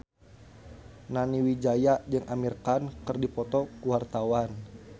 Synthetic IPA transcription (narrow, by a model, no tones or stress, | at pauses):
naniwid͡ʒajad͡ʒɨŋʔamirkankərdipɔt̪ɔkuwart̪awan